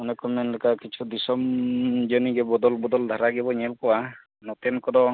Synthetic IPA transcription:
ɔnɛkɔmɛnlekakit͡ʃʰud̪isɔmd͡ʒɔniɡɛbɔd̪ɔlbɔd̪ɔld̪ʱaɾaɡɛbɔɲelkɔwa | nɔt̪ɛnkɔd̪ɔ

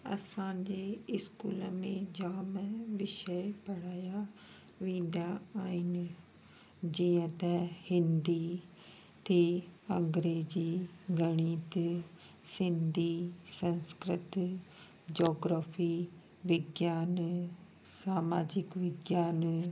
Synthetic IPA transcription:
ɐ̰sãd͡ʑeːɪskuːləmẽd͡ʑaːmʋɪʃəjpɐɽ̤aːja | ʋẽːnd̪aaːɦɪnɪ | d͡ʑiːə̃t̪ɛhɪ̃nd̪i | t̪ʰeɐ̃ŋɡɾeːd͡ʑiɡɐɽ̃iːt̪ | sɪ̃nd̪ʱisɐ̃nskɾɪt̪ | d͡ʑɔːɡɾaːfi | ʋɪɡjaːn | saːmaːd͡ʑɪkʋɪɡjaːn

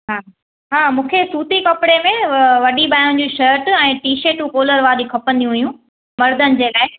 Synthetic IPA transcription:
ɦaː | ɦaːmũːkʰesuːt̪ikɐpɪɽemẽʋɐɗibaːjʊ̃d͡ʑũːʃəɾʈɛ̃ːʈiːʃeːʈũkoːləɾʋaːɗikʰɐpə̃nd̪ijũɦijũ | mɐɾd̪ʱənɪ̆d͡ʑeːlaːɦe

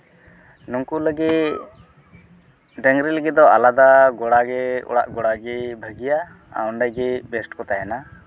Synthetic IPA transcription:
nuŋkuləɡɛ | ɖɛŋɡɾiləɡɛt̪̚d̪ɔalad̪aɡɔɽaɡɛɔ̰ɽa̰ʔɡɔɽaɡɛbʱəɡija | a̰ɔɳɖajɡɛbɛsʈkɔt̪ajana

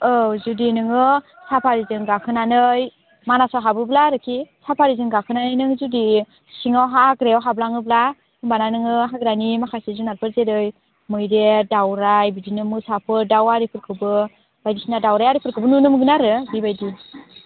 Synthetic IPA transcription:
ɯzudinɯŋɯ | sapʰaɾizɯŋɡakʰɯnanɯj | manasɔɦabɯblaɾɯkʰisapʰaɾizɯŋɡakʰɯnanɯjnɯŋzudi | siŋawɦaɡɾewɦablaŋɯbla | ɯmbananɯŋɯɦaɡɾanimakʰasizunat̚pʰɯɾzeɾɯj | mɯjɾedawɾajbidinɯmɯsapʰɯɾdawaɾipʰɯɾkʰɯbɯ | bajdisinadawɾajaɾipʰɯɾkʰɯbɯnunɯmɡɯnaɾɯbibajdi

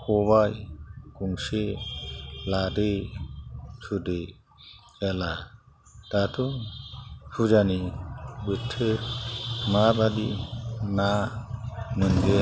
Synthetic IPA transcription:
kɔβajkuŋse | ladɯ | sʰude | ala | datʰu | hʰud͡ʒanibɯtʰːɯ | mabadina | mɯnɡe

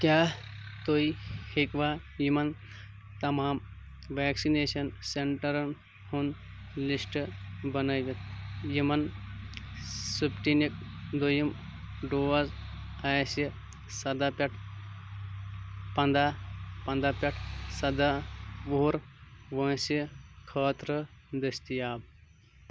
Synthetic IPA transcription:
kjaːt̪oihekʋaː | jimɐn | t̪ɐmaːm | ʋaːksineːsɐnseɳʈɐɾɐn | hun | lisʈbɐnɐjʋɐt̪jimɐn | supʈinik̚ | d̪ojim | ɖoːʋɐz | aːjsi | sɐd̪apʲɐʈʰ | pɐnd̪aːpɐ̃nd̪aːpʲɐʈʰsɐd̪aʋuɦuɾʋɐ̃ːsikʰəːt̪ɾəd̪ɐst̪ijaːb

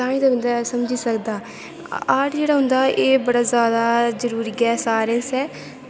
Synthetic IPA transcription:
ãːĩːd̪abə̃nd̪aːsəmd͡ʒiːsəkd̪aː | aːʈd͡ʒeːɽaːɦʊ̃nd̪aːʔeːbəɽaːzjaːd̪aːzəɾuːɾiːɡɛːsaːɾə̃nsɛː

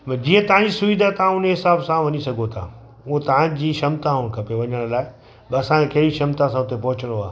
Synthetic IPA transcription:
d͡ʑiːə̃t̪ɐʋ̤ãɲd͡ʑisʊʋid̪ʱat̪ɐʋ̤ãʊneɦɪsaːbsãʋɐɲisɐɡʱot̪ʰaː | ʊɦõt̪ɐʋ̤ãd͡ʑiːʃɐmt̪ãɦʊɽ̃kʰɐpeʋɐɲəɽ̃̆laːɪ | ɐsãekɐɦɽiʃɐmt̪ãsãʊt̪epɐɦʊt͡ɕəɽ̃oaː

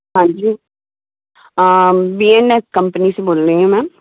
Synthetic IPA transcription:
ɦãːɲd͡ʒiː | biːenekəmpəniseboːlɾeɦũmɛ̃ː

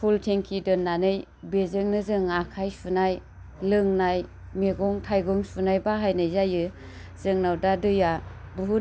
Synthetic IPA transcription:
pʰultʰeŋkʰidɯnːanɯj | bezɯŋnɯzɯŋakʰajsunaj | lɯŋnaj | meɡɔŋtʰajɡɔŋsunajbaɦajnajzajɯ | z̥ɯŋnawdadɯja | buɦu

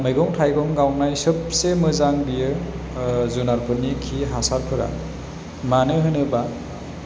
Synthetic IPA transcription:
mɯjɡɔŋtʰajɡɔŋɡawnajsɯp̚semɯzaŋbijɯ | zunaɾpʰɯnːikʰiɦasaɾpʰɯɾa̰ | manɯɦɯnɯba

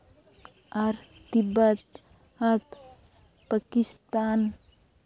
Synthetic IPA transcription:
aɾ | t̪ibət̪̚ | at̪ | pakist̪aːn

